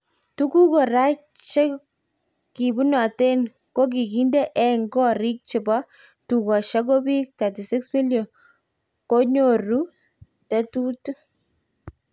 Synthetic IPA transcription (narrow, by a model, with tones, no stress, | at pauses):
tu˦ku˦ko˨ɾa˦ | t͡ʃe˦ | ki˨bu˦nɔ˨te˦n | ko˦k̬i˨ki˦nde˦ʔɛ˨ŋɡɔ˦ɾi˦k̚t͡ʃɪ˨bɔ˦ | tu˨kɔ˨ʃa˦k̬o˦bi˦k̚ta˨ti˨sɪ˦ksmi˦ljo˨ | ko˦ɲo˨ru˦ | tɛ˦tu˦t